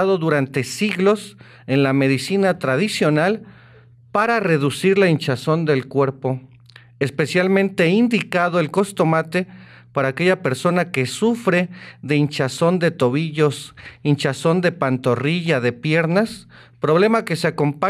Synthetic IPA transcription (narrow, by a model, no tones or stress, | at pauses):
aðo̞ðuɾant̪e̞siɣlo̞s | enlame̞ðisinat̪ɾaðisjo̞nal | paɾare̞ðusiɾlaint͡ʃaso̞nd̪e̞lkwe̞ɾpo̞ | espe̞sjalmẽnt̪e̞ind̪ikað̞oelko̞st̪o̞mat̪e̞ | paɾaːke̞ʝape̞ɾso̞nake̞sufɾeðe̞int͡ʃaso̞nd̪e̞t̪o̞βiʝo̞sint͡ʃaso̞nd̪e̞pant̪o̞riʝaðe̞pje̞ɾnas | pɾo̞β̞lemake̞seako̞mpa